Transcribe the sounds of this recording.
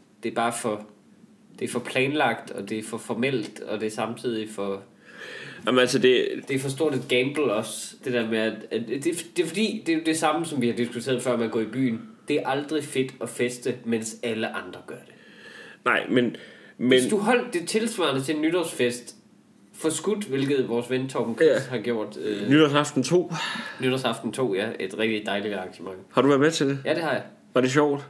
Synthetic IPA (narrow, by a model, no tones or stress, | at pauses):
d̥e̝æɐb̥ɑ̈ːfɒ̽ | d̥e̝æɐfɒ̽pʰlɛːnlɑ̈ɡ̥̚d̥ɒ̽d̥e̝æɐfɒ̽fɒmel̰d̥ɒ̽d̥e̝ɐsɑ̈mt͡sʰið̞̰ˠifɒ̽ | ɑmnælsəd̥e̝d̥efɒ̽s̬d̥o̝ɐ̰ɾed̥ɡ̥æmb̥l̩ɒ̽sd̥e̝d̥eɐ̰meæ̥æd̥ed̥e̝fɒd̥ḭːd̥e̝jo̝d̥e̝sɑ̈məsɒ̽mʋihɑ̈d̥isɡ̥ut͡sʰḛːɐðˠfɶɐ̰mænɡɔ̰ːib̥y̰ːnd̥e̝æɐʔɑ̈ld̥ʁife̝d̥ɒ̽fesd̥əmen̰sæləʔɑ̈nd̥ʁɐɡ̥ɶɐd̥e̝̥nɑ̈ɪ̰menmesd̥uɦɒ̽l̰d̥ːe̝t͡sʰe̝lsʋɑ̰̈ɐnət͡sʰe̝nːyɾ̥ɒsfesd̥ | fɒ̽sɡ̥ud̥ʋe̝lɡ̥ð̩ˠʋɒːsʋent͡sʰɒb̥n̩kʰshɑ̈ɡ̥jo̝ɐ̰d̥nyɾ̥ɒsɑ̈fd̥n̩t͡sʰo̝̰ːnyɾɐsɑ̈fd̥n̩t͡sʰo̝̰ːjæe̝d̥ʁɛɡid̥ɑ̈ɪlid̥ɑ̈ŋɕəmɑ̈ŋ̰hɑ̈dɾuʋæɐmet͡sʰe̝d̥ejæd̥e̝hɑ̈jɑ | ʋɑ̈deɕ̬ɒʊ̰d̥